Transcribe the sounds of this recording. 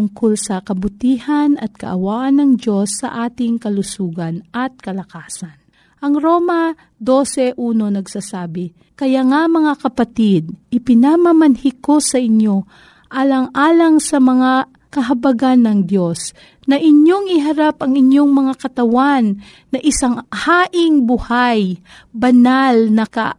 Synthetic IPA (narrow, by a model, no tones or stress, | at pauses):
ʊŋkolsɐkɐbʊt̪iːhɐnɐt̪̚kɐ̰ʔɐwaːʔɐnːɐŋdjo̞sːɐ̰ʔaːt̪ɪŋkɐlʊsuːɡɐnʔɐt̪̚kɐlɐkaːsɐn | ʔɐŋɾoːmɐ | d̪o̞ːsɛʔuːno̞nɐɡsasaːbɪ | kɐjaŋamɐŋakɐpɐt̪ɪd̪̚ʔɪpɪnamɐmɐnhɪko̞sɐʔɪɲjo̞ | ʔaːlɐŋʔaːlɐŋsɐmɐŋa | kɐɦɐbɐɡanːɐŋd̪jo̞s | nɐʔɪɲjo̞ŋɪɦɐɾapʔɐŋɪɲjo̞ŋmɐŋakɐt̪ɐwanː | ɐʔɪsaŋhaːʔɪŋbʊhaj | bɐnalnɐkɐ̰